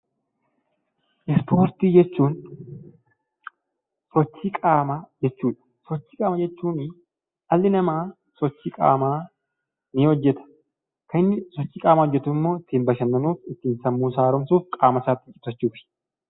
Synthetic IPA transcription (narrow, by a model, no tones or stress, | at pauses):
ʔɪspʰo̞ːɾt̪iːd͡ʒɛt͡ʃːuːn | sɔt͡ʃːiːkʼaːmad͡ʒɛt͡ʃːuːᶑɐ̥ | sɔt͡ʃːiːkʼaːmɐd͡ʒɛt͡ʃːuːn | ʔɐlːɪnɐmaː | sɔt͡ʃːiːkʼa̰ːmaː | nɪhɔd͡ʒːɛt̪ɐ̥ | kɐnɪnːɪsɔt͡ʃːiːkʼaːmɐhɔd͡ʒːɛt̪ʊɪmːo̞ːɪt̪ːiːmbɐʃɐnːɐnuːfɪt̪ːiːnsɐmːuːsaːɾʊmsuːfkʼaːmɐsaːt̪ʼːɪkʼːɪ̥t̪ːɐt͡ʃːuːfɪ̥